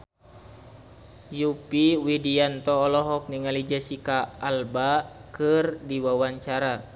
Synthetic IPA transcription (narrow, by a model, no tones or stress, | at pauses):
jupiwidiant̪ɔːlɔɦɔk̚niŋalid͡ʒasikaːlbakɨrdiwawaɲt͡ʃaɾa